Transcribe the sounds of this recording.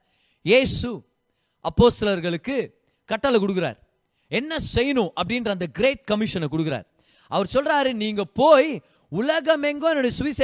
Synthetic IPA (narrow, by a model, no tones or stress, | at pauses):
jeːsu | ʔɐpːoːst̪ɐlɐɾɣɐɭɯkːɯ | kɐʈːɐlɐkʊɽɯk̬ːɪɾa̰ːɾ | ɛnːɐsɛjnõʔɐpːɐɽɪndrɐnd̪ɐɡɪɾeːʈ̚kɐmɪʂɐnɐkʊɽɯkːɪɾa̰ːɾ | ʔɐʋɐɾsɔlraːɾɯniːŋɡɐpoːj | ʊlɐɣɐmɛŋɡoːɛnɯɽɐjɐsʊʋɪse